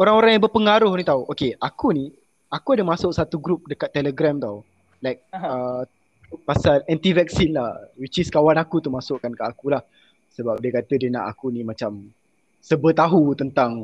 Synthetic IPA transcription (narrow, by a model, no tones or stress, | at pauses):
oɾaŋoɾaŋjãŋbəpəŋaɾʊhnit̪auʔokeʔakuni | akuadəmasʊʔsat̪uɡɾup̚dəkat̪ːɛləɡɾamt̪aw | lajk̚ə | pasalɛnt̪ivɛk̚sinlahwit͡ʃiskawanakut̪uhmasʊʔkankəakulah | səbap̚diəkat̪ədəna̰ʔa̰kunimat͡ʃam | səbət̪aɦut̪ənt̪aŋ